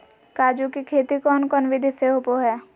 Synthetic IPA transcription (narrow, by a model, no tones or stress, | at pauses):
kaːd͡ʒukikʰeːt̪ikɔːnkɔːnʋid̪ʱiseɦopoɦɛː